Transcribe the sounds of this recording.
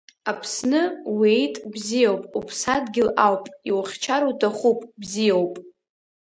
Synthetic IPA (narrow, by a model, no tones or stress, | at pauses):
apʰsnɨwejtʼbzijowpʼupʰsadɡʲɪlawpʼiwχʲt͡ʃʰaɾutʰaχupʼbzijowpʼ